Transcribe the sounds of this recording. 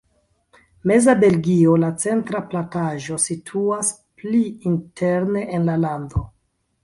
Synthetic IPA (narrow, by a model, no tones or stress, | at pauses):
me̞zabe̞lɡio̞lat͡se̞ntɾaplantaʒo̞sitʰuas | pliintʰe̞ɾne̞ʔenlalando̞